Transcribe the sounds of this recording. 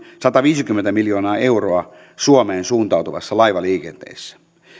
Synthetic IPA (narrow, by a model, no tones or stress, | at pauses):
sɑt̪ɑʋiːsikymːent̪æmiljoːnɑːeuroɑ | suomeːnsuːnt̪ɑwt̪uʋɑ̰sːɑlɑiʋɑliːkent̪ḛːsːæ̥